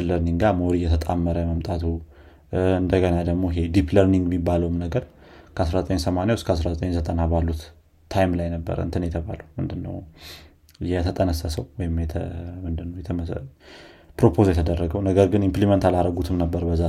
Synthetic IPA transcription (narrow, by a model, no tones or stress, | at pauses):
lːəɾniŋɡamoɾijɛt̪ʰət̪ʼamːəɾəjməmt̪ʼat̪ʰu | ɨnd̪əɡənad̪əɡmo̞ɪɦe̞d̪ipləɾniŋɡmːibːaləwmnəɡəɾ | kʰəasɾazət̪ʼəɲsəmanjawskʰəasɾazət̪ʼəɲzət̪ʼənabalːut̪ʰ | ajmlajnəbːə̰ɾə̰ɨnt̪ʰɨnjɛt̪ʰəβa̰ləwmɨ̰nd̪ɨnːə̰w | jɛt̪ʰət̪ʼənəsːəsəwwɔjɪmjɛt̪ʰəmɨnd̪ɨnːəwjɛt̪ʰə | pɾo̞pʰo̞zjɛt̪ʰəd̪ərːəɡəwnəɡəɾɡɨnimplimənt̪ʰalaɾəɡut̪ʰɨmnəbːəɾbəzːa